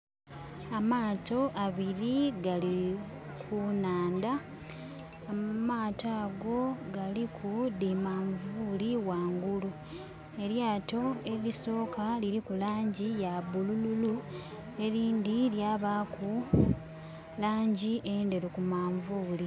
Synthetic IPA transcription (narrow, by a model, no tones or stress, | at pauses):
amaːto̞ʔaβiɾiɡali | kʰunaːndaː | maːtaːɡo̞ɡalikʰudimaːɱvuːliwaːŋɡulu | e̞ɾjaːto̞e̞iso̞ːkaliɾikulaːɲɟijaβulululu | e̞ɾiːndiɾjaːβaku | laːɲɟiʔende̞ɾekumaːɱvuːli